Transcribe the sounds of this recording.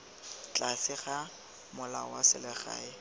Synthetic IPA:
t͡ɬʼasɪχa | mʊla̰wasɪlɛχa̰ːɪ

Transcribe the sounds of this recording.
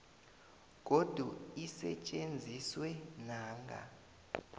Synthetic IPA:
k̬ʼod̥ʱuisɛ̰t͡ʃʼend͡zʱiswɛnaːŋɡʱa̰

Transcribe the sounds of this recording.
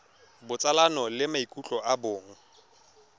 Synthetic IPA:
bʊt͡sʼalanɔlɪmaikʼut͡ɬʼɔʔabʊːŋ̩

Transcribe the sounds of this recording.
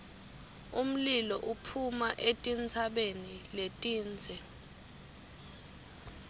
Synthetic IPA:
um̩lilɔʔupʰumaʔetʼint͡sʰaɓeniletʼiːnd͡zʱɛ

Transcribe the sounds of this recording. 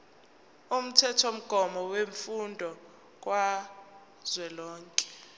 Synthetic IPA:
um̩tʰɛtʰom̩ɡ̥ʱɔmɔweɱfundʱɔ | k̬ʼwa | z̥wɛlɔːŋkʼɛ̥

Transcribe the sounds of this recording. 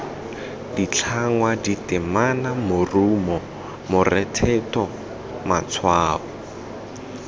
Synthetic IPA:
dit͡ɬʰaŋwaditɪmanamʊrumɔ | mʊrɛtʰɛtɔ | mat͡sʰwaːbɔ

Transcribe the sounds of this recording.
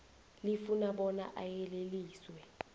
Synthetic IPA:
lifunaɓɔna̰ʔajɛleliːswɛ

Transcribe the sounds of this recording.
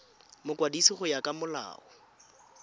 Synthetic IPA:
mʊkʼwadisiχʊjakʼamʊla̰ːɔ

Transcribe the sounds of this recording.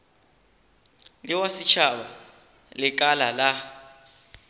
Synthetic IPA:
liwasit͡ʃʰaɓa̰ | lɪk̬ʼalala

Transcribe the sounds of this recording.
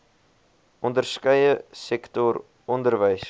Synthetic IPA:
ʔɔndərskəjəsɛktɔr | ɔndərvəjs

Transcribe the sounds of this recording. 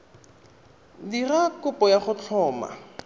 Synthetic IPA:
dirakʊpɔjaχʊt͡ɬʰɔːma̰

